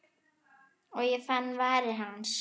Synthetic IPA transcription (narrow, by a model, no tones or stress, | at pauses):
ɔɣjɛfanːvaːɾɪɦanːs